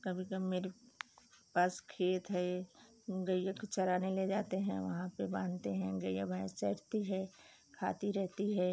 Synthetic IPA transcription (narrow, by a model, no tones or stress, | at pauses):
kɐbʱikəbmeːɾe | paːskʰeːt̪ɦɛː | ɡɐjakt͡ʃɐɾaːneled͡ʒaːt̪eɦɛ̰̃ʋɐ̰ɦãpebãːnt̪eɦɛ̃ɡɐjabãːt͡ʃɐɽt̪iɦɛː | kʰa̰ːt̪iɾɛɦt̪iɦɛː